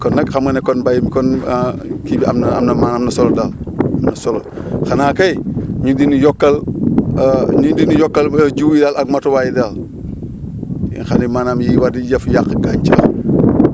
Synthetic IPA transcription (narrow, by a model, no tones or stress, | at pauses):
kɔnːɐkxamɐnekonbajimikon | kibia̰mna̰mnɐmaːnamnɐsolodaːlamnɐsolo | xanaːkɐjɲundinijɔkːɐl | ɲundinijɔkːɐld͡ʒuwjidaːlaɡ̚matowajidaːl | ḭŋxanimaːnamjiwadijɐfjakɡaɲt͡ʃə